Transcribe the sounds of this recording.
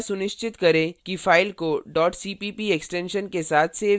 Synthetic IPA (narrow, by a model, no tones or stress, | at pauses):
sʊnɪʃt͡ʃɪt̪kɐɾẽːkifaːɪlkoɖɔːʈsiːpiːpieksʈẽːnʃənkesaːt̪ʰse